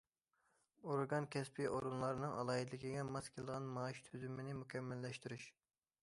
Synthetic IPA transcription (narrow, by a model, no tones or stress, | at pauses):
oɾɡɑnkʲʰɛspʰiʔoɾunlˠɑɾnɨŋʔɑ̰lˠɑːid̪ɪlɪkʲiɡʲɛmɑskʲʰelˠʁɑnmɑːiʃt̪ʰyzymɪnɪmukʲʰɛmːɛlːɛʃt̪yɾyʃ